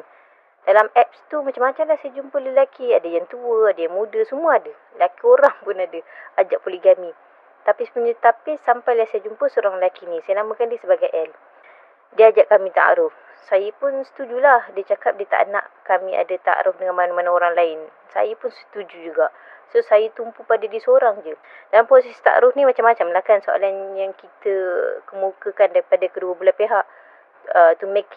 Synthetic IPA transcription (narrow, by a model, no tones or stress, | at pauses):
d̥alamɛp̚st̪umat͡ʃamːat͡ʃamlahsajad͡ʒumpələlakiadajaŋt̪uəadiamudəsəmuaadə | lakioɾaŋpʊnadəad͡ʒaʔpolihɡami | t̪apisə̥puɲət̪apisampajlahsajad͡ʒumpəsoɾaŋləlakinisajanamãkandiəsəbaɡajʔɛl | diəad͡ʒaʔkamĩt̪a̰ʔa̰ɾʊf | sajapʊnsə̥t̪ud͡ʒulahdiat͡ʃakap̚diət̪a̰ʔna̰ʔkamia̰dat̪a̰ʔɾʔʊfdəŋanmanamanaoɾaŋlaɪn | sa̰jəpʊnsə̥t̪ud͡ʒud͡ʒuɡaʔ | sosajət̪umpupadadisoɾaŋd͡ʒə | danpɾosɛst̪a̰ʔa̰ɾʊfnimat͡ʃamːat͡ʃamlakansoa̰lanjaŋkit̪əkəmukəkandaɾipadakəduəbəlapeɦaʔ | ət̪umek